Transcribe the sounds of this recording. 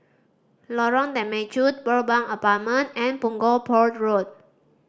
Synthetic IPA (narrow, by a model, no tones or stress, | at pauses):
lɔɹɔ̃ndɛ̃mɛt͡ʃut̚bəlbãŋəpat̚mə̃ntɛ̃npũŋɡɔlpʰɔɹt̚ɹot̚